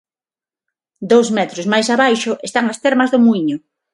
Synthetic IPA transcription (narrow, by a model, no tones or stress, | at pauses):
d̪owzmɛt̪ɾʊzmajsaβajʃʊʔest̪aŋɐst̪ɛɾmɐzðʊmuiɲʊ